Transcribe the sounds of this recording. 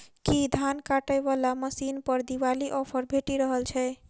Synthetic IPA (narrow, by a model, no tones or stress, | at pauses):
kid̪ʱankaʈəjbalaməsinpəɾd̪iʋaliʔɔpʰəɾbʱeʈiɾəɦəlt͡ʃʰɛ